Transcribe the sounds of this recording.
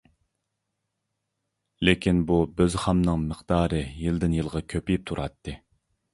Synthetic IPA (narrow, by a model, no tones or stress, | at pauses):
lekʲʰinbubøzχɑmnɨŋməχd̪̥ɑːɾɨjɨld̪ɪnjɨlˠʁɑkʲʰøpijip̚t̪ʰuɾʔɑt̪ʰːɨ